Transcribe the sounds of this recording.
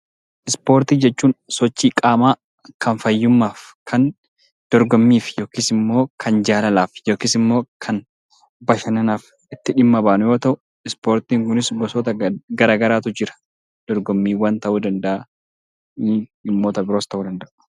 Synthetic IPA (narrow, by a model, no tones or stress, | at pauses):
ʔɪspo̞ːɾt̪iːd͡ʒɛt͡ʃːuːnsɔt͡ʃːiːkʼaːmaː | kɐnfɐjːʊmːaːfkʰɐn | d̪̥ɔɾɡɔmːiːfjoːkiːsɪmːo̞ːkʰɐnd͡ʒaːlɐlaːfjoːkiːsɪmːo̞ːkʰɐn | bɐʃɐnɐnaːf | ɪt̪ːɪᶑɪmːɐbaːnʊjo̞ːt̪ɐʔʊ | ɪspo̞ːɾt̪iːŋkʊnɪsbɔsoːt̪ɐɡɐɾaːɡɐɾaːt̪ʊd͡ʒɪɾɐ̥ | d̪̥ɔɾɡɔmːiːwɐnt̪ɐʔuːd̪ɐnd̪ɐʔa | ɪmːoːt̪ɐbɪɾoːst̪ɐʔuːd̪ɐnd̪ɐʔʊ̥